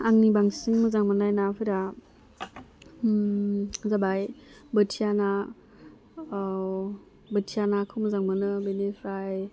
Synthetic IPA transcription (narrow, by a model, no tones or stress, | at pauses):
aŋnibaŋsiŋmɯzaŋmɯnajnapʰɯjɾa | zabajbɯtʰijana | bɯtʰijanakʰɯwmɯzaŋmɯnɯbenepʰɾaj